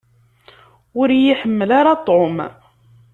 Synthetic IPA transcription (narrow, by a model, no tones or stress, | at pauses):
ʊɾjiħəmːəlaɾɑt̪ˤːom